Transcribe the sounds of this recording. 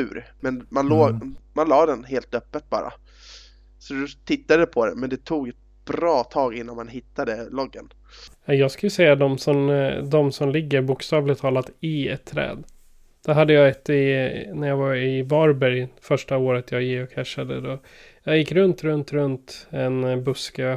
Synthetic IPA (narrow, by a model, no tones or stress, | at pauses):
ʉ̰ːɾmɛnmanloːmanlɑːd̪ɛnɦeːlt̪œpːət̪̚bɑ̰ːɾa̰ | sɔd̪ɵt̪ʰɪt̪ːad̪əɛpʰɔd̪ɛ̰nmɛnd̪ɛt̪ʰuːɡɛt̪̚ | b̥ɾɑːt̪ʰɑːɡɪnːanmanɦɪt̪ːad̪əlɔɡːən | ajɑːɡskajəsɛjːad̪ɔmsɔmd̪ɔmsɔmlɪɡːəɾbʊkst̪ɑːvlɪt̪ʰɑːlat̪ɪɛt̪ʰːɾɛ̰ːd̪ | d̪̥æɾɦad̪ːəjɑːɛt̪ːɪnæɾjɑːɡvaɾɪvɑɾbæɾjfœʂʈaoːɾət̪jɑːɡjɪɔkʰːɛʂːad̪əd̪ɔ | jɑːjɪkːɾɵnt̪ɾɵnt̪ɾɵnt̪ɛnbɵskə